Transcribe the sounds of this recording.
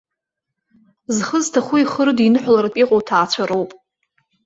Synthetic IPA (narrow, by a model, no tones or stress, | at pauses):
zχəztʰaχʷuiχəɾɨdinɨħʷlarapʼiqʼowtʰaːt͡ɕʷʰaɾowpʼ